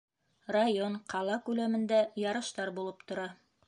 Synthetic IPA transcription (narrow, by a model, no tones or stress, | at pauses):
rajonqʰɑlˠɑkʉlæmɘ̆nd̪æjɑɾɤ̆ʃt̪ɑɾbulˠɤpt̪ŏɾɑ